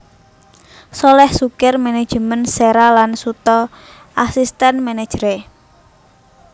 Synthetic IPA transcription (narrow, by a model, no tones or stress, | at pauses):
solɛhsukɪrmene̥ʒ̥əmənseɾalansut̪ɔ | ʔasist̪ɛnmɛne̥ʒ̥ɾe